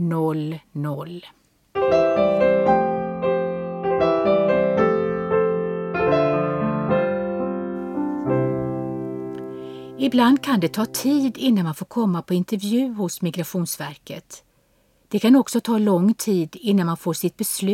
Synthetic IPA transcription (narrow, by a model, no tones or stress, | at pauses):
nɔlnɔl | ɪbland̪kʰand̪ɛt̪ʰɑːt̪ʰiːd̪ɪnːanmanfoːɾkʰɔmːapʰɔɪnt̪ɛɾvjʉ̟ːhʊsmɪɡɾaɧuːnsvæɾkət̪ | d̪̥ɛkʰanɔksɔt̪ʰɑːlɔŋːt̪ʰiːd̪ɪnːanmanfoːʂɪt̪̚bɛslʉ